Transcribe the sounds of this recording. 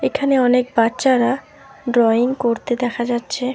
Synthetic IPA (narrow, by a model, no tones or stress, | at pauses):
ekʰaneɔnek̚batːɕaɾa | ɖɾɔiŋkoɾt̪ed̪ɛkʰad͡ʑatːɕʰe